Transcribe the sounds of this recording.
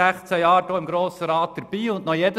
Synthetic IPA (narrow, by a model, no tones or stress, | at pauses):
æχt͡sæjɑːɾdoːɪmɡɾoːsəɾɑːtt̪əɾb̥iːʊnʔnɔjɛd̪ə